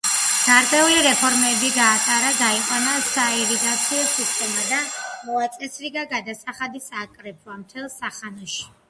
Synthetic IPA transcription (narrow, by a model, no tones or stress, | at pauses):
ɡ̥aɾd̪ʼɛuliɾɛpʰɔɾmɛbiɡaːt̪ʼaɾaɡaiqʼwanasaiɾiɡ̪at̪sʰiɔsist̪ʼɛmad̪amɔat̪sʼɛsɾiɡaɡad̪asaχad̪isaːkʼɾɛpʰwamt̪ʰɛlˠsaχanɔʃi̥